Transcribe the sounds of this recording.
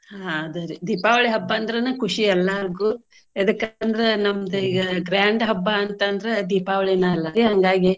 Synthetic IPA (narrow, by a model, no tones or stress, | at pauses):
ɦad̪ɐɾid̪iːpaːʋɐɭiɦɐbːɐːnd̪ɐɾɐnɐkuʂiɛlːɐɐɡu | ɐd̪ɐkːɐnd̪ɐɾenɐmːɐd̪eiɡɐɡɾaːɳɖɦɐbːɐːnt̪ɐnd̪ɐɾed̪iːpaːʋɐɭɛnɐɐlːɐɾiɦɐŋɡaːɡi